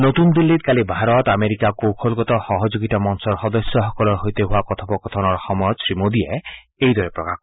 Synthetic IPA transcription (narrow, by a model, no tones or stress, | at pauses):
not̪und̪ilːit̪̚kalibʱaɾɔt̪ameɾikakowkʰolɡɔt̪ɔxɔɦɔd͡ʒoɡit̪amɔnsɔɾxɔd̪ɔsjɔɦɔkɔlɔɾɦojt̪eɦuakɔt̪ʰɔpɔkɔt̪ʰɔnɔɾxɔmɔjɔdsɾimod̪ie | ejd̪ʱɔɾepɾɔkakɔ